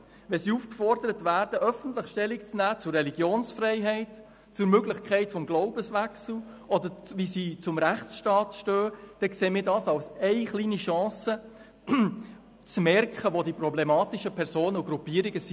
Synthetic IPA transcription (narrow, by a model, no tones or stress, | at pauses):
ʋɛsiːufkfɔrd̥əɾətvæːrd̥əʔœfən̩tləχʃtɛlːikt͡snæːt͡sʊrːɛliɡ̥joːnsfɾɛɪɦɛɪt | t͡sʊɾmøɡlɪχkχɛɪtfɔmɡloʊbəsʋæksl̩ | ɔd̪əɾʋisiːt͡sʊmɾæχt͡sʃtɑːtʃtøːd̥ɛkseːmiːɾdɑːsɑwsɛɪχliːniʃɑ̃ːsə | t͡smɛɾkχəʋodiprɔblemɑːt̪iʃəpʰɛɾsoːnəuɡɾupːiːɾiɡəsi